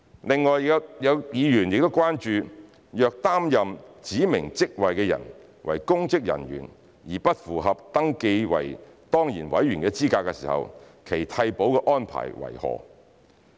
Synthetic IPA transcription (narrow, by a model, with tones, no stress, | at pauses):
lɪ˨ŋːɔː˨jjɐ˨˧wjiː˨˧jyː˨˩njɪ˨k̚t̪o˥wkʷaː˥nt͡ʃyː˨˧ | jœː˨˧k̚t̪aː˥mjɐ˨mt͡siː˨˥mɪ˨˩ŋt͡sɪ˥k̚wɐ˨jkɛː˧jɐ̰˨˩n | wɐ̰˨˩jkʊ˥ŋt͡sɪ˥k̚jɐ̰˨˩nɥy̰ː˨˩n | jiː˨˩pɐ˥t̚fuː˨˩ɦɐ˨p̚t̪ɐ˥ŋke˧jwɐ̰˨˩jt̪ɔː˥ŋjiː˨˩nwɐ̰˨˥jyː˨˩nkɛː˧t͡siː˥kaː˧kːɛ˧siː˨hɐ̰˨wkʰe˨˩jt̪ʰɐ˧jpo˨˥wkɛ˧ʔɔː˥npʰa̰ː˨˩jwɐ̰˨˩jhɔ̰ː˨